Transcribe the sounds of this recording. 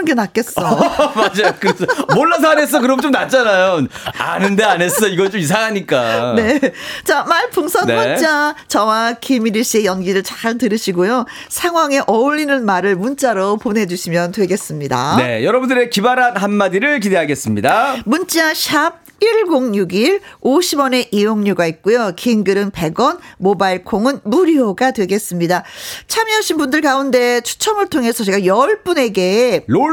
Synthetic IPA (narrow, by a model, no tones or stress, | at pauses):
nɡenak͈e̞s͈ʌmad͡ʑajkɯɾesmonːas̬ʰanes̬͈ʌkɯɾʌmt͡ɕ͈omnat͡ɕ͈anajona̰nɯnde̞ane̞s͈ʌiɡʌt͡ɕomis̬ʰaŋɦaɲik͈ane̞t͡ɕamaɭpʰuŋsʰʌneat͡ɕat͡ɕʌwakʰemiɾiɕ͈ie̞jʌnɡiɾɯɭt͡ɕḁɭtɯɾɯɕʰiɡojo | sʰaŋɦwaŋe̞ʔʌuʎːinɯnmaɾɯɭmunt͡ɕ͈aɾopone̞d͡ʑuɕʰimjʌntwe̞ɡe̞s͈ɯmɲida̰ne̞̰jʌɾʌbundɯɾe̞kibaɾanɦanmadiɾɯɭkide̞ɦaɡe̞s͈ɯmɲidamunt͡ɕ͈aɕʰab̚ | iɭɡoŋɲuɡiɾoɕʰibʌne̞ʔijoŋɲuɡait̚k͈ujokiŋɡɯɾɯnpe̞ɡʌnmobaiɭkʰoŋɯnmuɾioɡadwe̞ɡe̞s͈ɯmɲidat͡ɕʰamiaɕʰinbundɯɭkaunde̞t͡ɕʰu̥t͡ɕʰʌmɯɭtʰoŋe̞sʰʌt͡ɕe̞ɡajʌɭp͈une̞ɡe̞o